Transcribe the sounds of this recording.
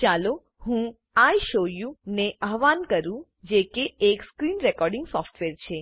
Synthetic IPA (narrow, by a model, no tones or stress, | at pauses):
t͡ʃalo | ɦũ | ajʃojũneʔəɦʋankəɾũ | d͡ʒekeːkskɾinɾekɔɾɖiŋɡsɔfʈʋeɾt͡ʃʰe